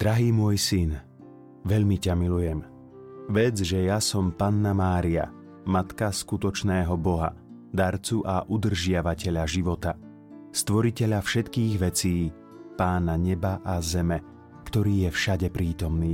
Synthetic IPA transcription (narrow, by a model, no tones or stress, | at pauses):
d̪̥ɾaɦiːmʊɔjsin | ʋɛʎmicamilujɛm | ʋɛd͡zʒɛjasɔmpanːamaːɾia̰ | mat̪kaskut̪ɔt͡ʃnɛːɦɔbɔɦa̰ | d̪aɾt͡suʔaʔud̪r̩ʒɪaʋacɛʎaʒiʋɔt̪a | st̪ʋɔɾicɛʎafʃɛt̪kiːɣʋɛt͡siː | paːnaɲɛbaʔazɛmɛ | kt̪ɔɾiːjɛfʃaɟɛpɾiːt̪ɔmniː